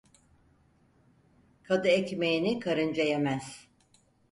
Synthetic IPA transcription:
kʰad̪ɯecmejinikʰaɾɯnd͡ʒajemæz̥

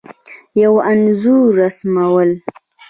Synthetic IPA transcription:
jawanzuɾːasmawəl

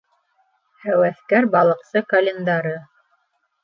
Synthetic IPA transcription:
hæwæθkæɾbɑlˠɤ̆qsɤkɐlʲend̪ɑɾɤ

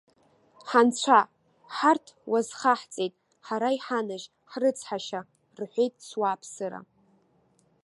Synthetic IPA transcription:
ħant͡ɕʷʰa | ħartʰwazχaħt͡sʼejtʼ | ħaɾaiħanaʒ | ħrɨt͡sʰħaʃa | rħʷejtʼswaːpʰsɨɾa̰

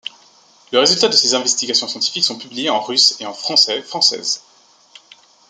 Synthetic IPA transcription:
ləʁezylt̪ad̪əsezɛ̃vɛst̪iɡʲasjɔ̃sjɑ̃t̪i̥fiksɔ̃pyblijeɑ̃ʁyseɑ̃fχɑ̃sɛfχɑ̃sɛ̰ːz

